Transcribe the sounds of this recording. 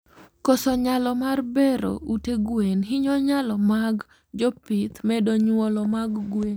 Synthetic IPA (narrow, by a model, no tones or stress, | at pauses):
kosɔɲalɔmarbɛɾo̰uteɡwenɦɪɲɔɲalɔmaɡ | d͡ʒɔpɪt̪mɛdoɲwɔlɔmaɡɡwen